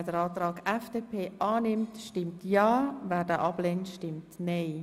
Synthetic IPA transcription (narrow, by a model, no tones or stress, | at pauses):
d̥əɾɑːtɾɑːɡɛfd̥eːpʰeːʔɑːnɪmtʃtɪmtjɑːvɛːɾdəʔɑb̥lentʃtɪmtneɪ